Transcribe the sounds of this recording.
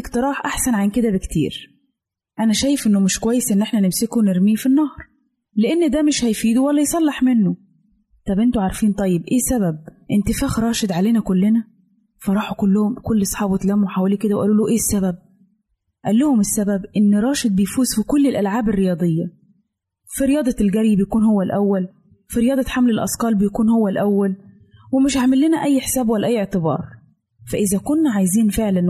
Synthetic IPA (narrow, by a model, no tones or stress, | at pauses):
ɪkt̪ɑɾˤɑːħʔaħsænʕanked̪æbɪkt̪ḭːɾ | ʔænæʃæːjɪfʔenːomɪʃkowæjːesʔɪnːʔeħnænɪmsɪkuwnɪɾmiːfinːɑhɾˤ | leʔenːd̪æːmɪʃhæjfiːd̪uwælːæjsˤɑlːɑħmɪnːʊ | t̪ˤɑbʔent̪ʊʕaɾˤfiːnt̪ˤɑjːebʔeːsæbæb̚ʔɪnt̪ɪfæːxɾˤɑːʃɪd̪ʕaleːnækʊlːɪnæ | fɑɾˤɑːħukʊlːʊhʊmkolːɑsˤħɑːbwet̪læmuwħawæliːked̪æwʔæ̰luːluʔeːsːæbæb̚ | ʔælːʊhʊmɪsːæbæbʔɪnːɾˤɑːʃed̪̚bejfuːzfikʊlːɪlʔælʕaːberːejɑːd̪ˤejːɑ | fiɾejɑːd̪ˤɑlɡæɾjbejækuːnhowːælʔæwːæl | fiɾɪjɑːd̪ˤɑħamlelʔɑ̰skɑːlbɪjkuːnhowːælʔæwːæl | wɪmɪʃʕaʕmɪlːɪnæʔæjːħsæːbwælːæʔæjːʔeʕt̪ɪbɑ̰ːɾˤ | fæʔɪzækʊnːæʕajziːnfeʕlæn